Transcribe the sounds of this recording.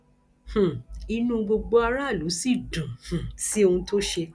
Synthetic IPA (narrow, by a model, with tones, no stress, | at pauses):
h̩˨i˧nũ˦ɡ͡bo˧ɡ͡bo˧a˧ɾa˦˨lu˨˦si˦˨dũ˨h̩˨si˦o˧ũ˧to˦ʃe˧